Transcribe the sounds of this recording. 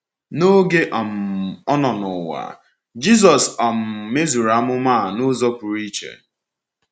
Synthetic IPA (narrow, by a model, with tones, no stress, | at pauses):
no˦ɡe˦ʔa˨m̩˨ɔ˦nɔ˨nʊ˨wa̰˨ | d͡ʒi˦zɔ˨sa˨m̩˨me˦zu˨ɾa˨˦mʊ˦ma˦˨nʊ˦zɔ˦pʊ˨ɾi˦t͡ʃḛ˨